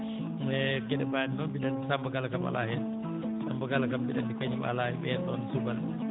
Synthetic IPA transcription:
ɛɡɛɗɛbadinɔbiɗansambaɡalakama̰la̰hɛ | sambaɡalakambiɗanikaɲima̰lahɛɓɛɗɔnsubal

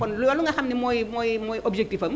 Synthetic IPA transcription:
ɔnlojaluŋaxʰamnimojmojmojɔbzek̚tibʰʱa

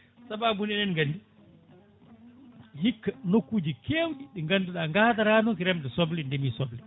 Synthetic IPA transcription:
sababunɛnɛnŋɡanːdi | hikːanokːuːd͡ʒikʰewɗiɗɛŋɡanduɗaŋɡataɾanɔkiɾɛmdɛsɔblindɛmiːsɔbli

